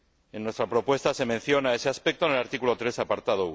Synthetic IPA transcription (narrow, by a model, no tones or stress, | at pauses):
enːwe̞st̪ɾapɾo̞pwe̞st̪ase̞mẽn̟θjo̞nae̞se̞aspek̚t̪o̞ne̞laɾt̪ikulo̞t̪ɾe̞sapaɾt̪að̞ou